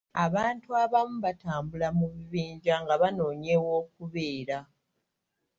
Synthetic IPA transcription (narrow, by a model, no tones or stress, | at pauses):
aβaːntuaβamuβataːmbulamuβiβiːɲɟaŋɡaβano̞ːɲe̞wo̞ːk̚uβe̞ːɾa